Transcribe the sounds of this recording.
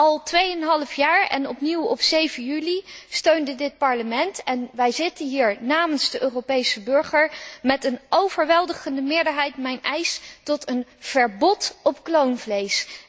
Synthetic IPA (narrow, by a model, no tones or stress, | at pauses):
ɑlˠtʋejənɦɑləfjaːɹɛ̰nɔpniwɔpsejvənjylistøɥndədɪt̚pɑɹləmɛntɛnʋɛjzɪtənɦiːɹnaːmənzdəʔøːropejsəbɵɹχəɹmɛtənowvəɹʋɛlˠdəχəndəmɪːɹdəɹɦɛjtmɛjnɛjstɔtənv̥əɹbɔtɔpklownvlejs